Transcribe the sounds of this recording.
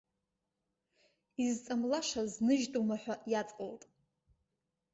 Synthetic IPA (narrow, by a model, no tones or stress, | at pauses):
izt͡sʼamlaʂaznɨʒtʼumaħʷᶣajat͡sʼqʼoltʼ